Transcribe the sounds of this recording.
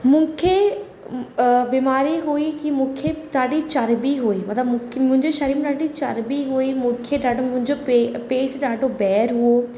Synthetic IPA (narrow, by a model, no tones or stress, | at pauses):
mũːkʰe | biːmaːɾiɦuikimũːkʰeɗ̪aːɗit͡ɕɐɾbiɦuimɐt̪ləb̃kmʊ̃ɦɪ̃ɲd͡ʑeʃɐɾiːmɗaːɖit͡ɕɐɾbiɦuimũːkʰeɗaːɖʱomʊ̃ɦɪ̃ɲd͡ʑopeːʈʰɗaːɖʱobɛːɾɦuo